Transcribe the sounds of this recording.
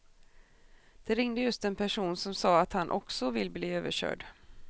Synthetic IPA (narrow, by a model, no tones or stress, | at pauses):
d̪̥ɛɾɪŋd̪əjɵst̪ɛnpʰæʂuːnsɔmsɑːat̪hanʔɔ̰ksɔvɪlːbliːøːvəɕœ̰ːɖ